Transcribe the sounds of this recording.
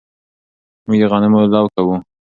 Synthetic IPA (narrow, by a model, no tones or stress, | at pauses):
muɡd̪əɣɑnɪmolɑwkawu